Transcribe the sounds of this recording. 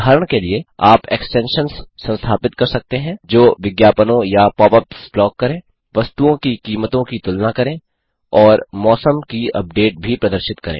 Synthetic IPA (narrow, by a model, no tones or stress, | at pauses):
aːɾəɽ̃kelieaːpeːksʈɛ̃ːnʃənsːɐ̃nst̪ʰaːpɪt̪̚kɐɾsɐk̚t̪eɦɛ̃ːd͡ʒoːʋɪɡjaːpənõjapɔːpəpsplɔːkːɐɾẽː | ʋɐst̪uõkikiːmət̪õkit̪ʊlnakɐɾẽː | ɔːɾmɔːsəmkiɐ̰p̚ɖeːʈ̚bʱipɾɐd̪əɾʃɪt̪kɐɾḛ̃ː